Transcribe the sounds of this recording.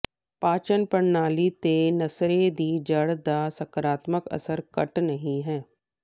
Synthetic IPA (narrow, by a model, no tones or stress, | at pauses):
paːt͡ʃənpɐɽnaːlit̪enɐsɾed̪id͡ʒɐɽd̪asɐkɾaːt̪məkɐ̰səɾkɐʈnɐɦĩɦɛː